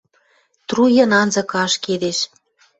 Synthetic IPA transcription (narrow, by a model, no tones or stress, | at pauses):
t̪rujɤ̆nɑnzɤ̆kɑʃked̪eʃ